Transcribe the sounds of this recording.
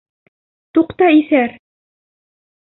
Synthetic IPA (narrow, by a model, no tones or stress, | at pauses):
t̪uqt̪ɑiθæɾ